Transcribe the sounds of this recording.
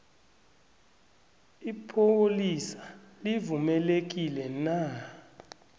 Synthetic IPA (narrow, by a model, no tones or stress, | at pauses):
ipʰolisḁlivumɛlek̬ilɛna